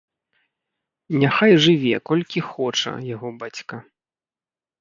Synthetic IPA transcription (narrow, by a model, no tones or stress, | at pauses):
nʲaxajʐɨvʲɛ̰kɔlʲkʲixɔt͡ʂɐ̰jaɣɔbat͡sʲkɐ